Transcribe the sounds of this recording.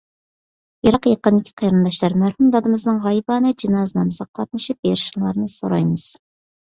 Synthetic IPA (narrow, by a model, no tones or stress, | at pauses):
jɑɾɑqjɑqənd̪ɪkʲʰi̥qʰijɾɨnd̪ɑʃlæɾmæɾhumd̪ɑd̪ɨmɨznɨŋʁɑjbɑnɨd͡ʒinɑznɨmɨzɑqʰːɑt̪̚nɨʃɨp̚jeɾɪʃəŋlˠɑɾnɨsoɾɑ̰jmɨz̥